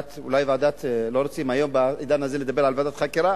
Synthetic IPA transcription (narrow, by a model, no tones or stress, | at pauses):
t̪ṵlajvad̪at̪loɾot͡simajombaid̪anazeled̪abeɾʕalvad̪at̪χakiɾa